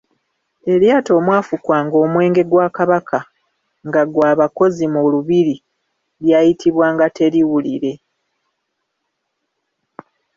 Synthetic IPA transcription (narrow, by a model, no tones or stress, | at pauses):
e̞ɾjaːto̞ːmwaːfukwaːŋɡo̞ːmwe̞ːŋɡe̞ɡwaːkaβakʰa | ŋɡaɡwaːβako̞zimuluβiɾi | ljaːjitiβwaːŋɡate̞ɾiwuliɾe̞